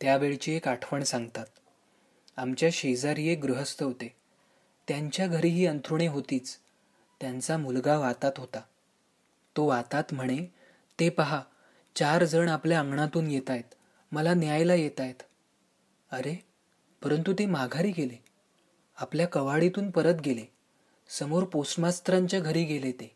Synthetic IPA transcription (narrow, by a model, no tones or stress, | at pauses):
t̪jaʋeɭt͡ɕiːekaʈʰʋəɳsãŋɡt̪at̪̚ | amt͡ɕjaɕed͡zaɾijeɡɾuɦəst̪əɦot̪e | t̪jaɲt͡ɕjaɡʱəɾiːɦiːənt̪ʰɾuɳ̃eɦot̪iːt͡s | t̪jant͡samulɡaʋat̪at̪ɦot̪a | t̪oʋat̪at̪m̤əɽ̃e | t̪epəɦa | t͡ɕaɾd͡zəɳapljaaŋɡɳat̪uːnjet̪ajt̪ | məlanjajlajet̪ajt̪ | əɾe | pəɾənt̪ut̪emaɡʱaɾiːɡele | apljakəʋaɭit̪uːnpəɾət̪ɡele | səmoɾposmast̪ɾaɲt͡ɕjaɡʱəɾiːɡelet̪e